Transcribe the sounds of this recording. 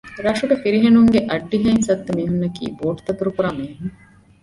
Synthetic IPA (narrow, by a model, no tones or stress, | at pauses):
ɾɐʂuɡɐfiɾiɦenuŋɡeʔɐɖːiɦɐinsɐt̪ːumiːɦunːɐkḭːboːʈt̪ɐt̪uɾukuɾaːmeːɦuŋ